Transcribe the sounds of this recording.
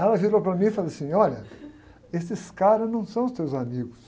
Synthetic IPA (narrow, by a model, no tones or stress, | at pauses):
ɛlɐviɾopɾɐmĩfalasĩɔʎɐ | esɪskaɾɐznɐ̃w̃sɐ̃w̃ʊst̪ewzamiɡʊs